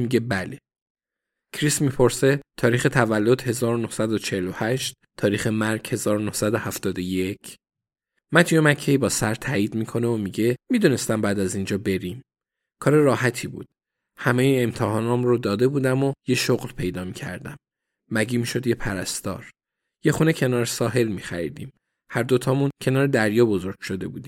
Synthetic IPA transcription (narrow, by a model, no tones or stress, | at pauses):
miɟe̞bæle | kʰɾismipʰo̞ɾse̞t̪ʰɒːɾiːxe̞t̪ʰævælːo̞d̪̥he̞zɒːɾonohsæd̪ot͡ʃʰehelo̞hæʃt̪̚ʰːɒːɾiːxe̞mæɾɡ̥he̞zɒːɾonohsæd̪ohæft̪ɒːd̪ojecʰ | mæt̪ʰjomæcʰːeibɒːsæɾt̪ʰæːiːd̪miːkʰo̞neomiɟe̞mid̪une̞st̪æmbæːd̪æzind͡ʒɒːbe̞ɾim | kʰɒːɾe̞ɾɒːɦæt̪ʰiːbṵːd̪̥ | hæmejiemt̪ʰehɒːnɒːmɾod̪ɒːd̪e̞buːd̪æmoje̞ʃoɣlpʰe̞jd̪ɒːmiːcʰæ̰ɾd̪æ̰mː | æɟiːmiːʃo̞d̪je̞pʰæɾæst̪ɒ̰ːɾ | je̞xune̞cʰe̞nɒːɾesɒːɦe̞lmiːxæɾḭd̪iːm | hæɾd̪o̞t̪ʰɒːmuncʰe̞nɒːɾed̪æɾjɒːbo̞zo̞ɾɡ̥ʃod̪e̞buːd̪iː